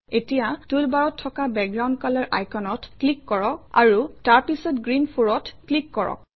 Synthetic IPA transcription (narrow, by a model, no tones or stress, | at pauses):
etijatulbaɹɔtʰːɔkabɛk̚ɡɹaw̃ndkalaɹʔajkʰɔnɔtklikːɔɹɔka̰ɹutaɹpisɔtɡɹinpʰoɹɔtklikːɔɹɔ̰k̚